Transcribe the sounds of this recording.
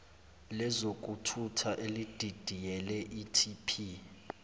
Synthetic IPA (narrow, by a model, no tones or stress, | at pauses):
lɛzok̬ʼutʰutʰaʔelid̥ʱid̥ʱijɛlɛʔitʰipʰi